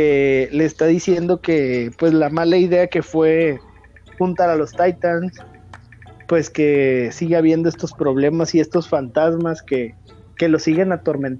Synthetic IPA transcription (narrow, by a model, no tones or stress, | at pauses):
eleːst̪aðisje̞nd̪o̞ke̞pwe̞zlamalaiðe̞ake̞fwe̞ | xunt̪aɾalo̞st̪ajt̪ans | pwe̞ske̞siɣeaβje̞nd̪oest̪o̞spɾo̞β̞le̞masie̞st̪o̞sfant̪azmaske̞ | ke̞lo̞siɣe̞nat̪o̞ɾmẽ̞nt̪